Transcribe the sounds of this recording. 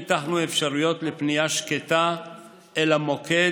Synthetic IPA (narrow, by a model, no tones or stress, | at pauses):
t̪aχnuefʃaʁujo̞t̪lepnijaʃket̪a | elamo̞kʰe̞